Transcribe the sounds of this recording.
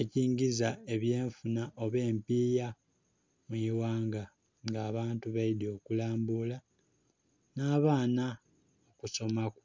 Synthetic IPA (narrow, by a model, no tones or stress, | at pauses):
eciːŋɟizaeβje̞ːɱfunaʔo̞βe̞ːmpiːja | mwuiwaːŋɡa | ŋɡaːβaːntuβajidio̞ːkulaːmbula | naːβaːna | okuso̞maku̥